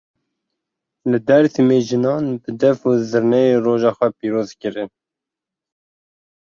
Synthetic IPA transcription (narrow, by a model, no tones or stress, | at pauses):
lɨd̪ɛɾt̪ʰɨmeʒɨnɑːnbɨd̪ɛvuzɨɾnɛjeːroːʒɑːxʷɛpiːɾoːzkɨɾɨn